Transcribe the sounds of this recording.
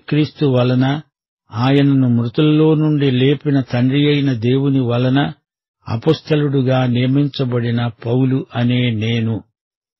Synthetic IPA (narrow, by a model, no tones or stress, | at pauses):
kɾiːst̪uʋɐlɐnɐ | aːjɐnɐnumɾut̪ɐllːo̞ːnuɳɖile̞ːpinɐt̪ɐɳɖijɐjnɐd̪e̞ːwuniʋɐlɐnɐ | ɐ̰poːst̪ɐluɽuɡaːnijɐmiɲt͡ʃɐbɐɽinɐpɐwluʔɐne̞ːneːnu